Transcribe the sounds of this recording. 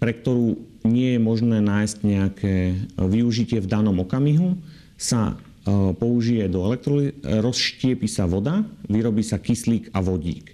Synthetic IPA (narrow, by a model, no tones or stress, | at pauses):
pɾɛk̚t̪ɔɾuː | ɲɪɛjɛmɔʒnɛːnaːjscɲɛakʰɛːʋiuʒicɪɛvd̪anɔmɔkamiɦu | sa̰ | pɔuʒijɛd̪ɔɛlɛk̚t̪ɾɔliɾɔsʃcɪɛpisaʋɔd̪aʋiɾɔbiːsakisliːkaʋɔɟḭːk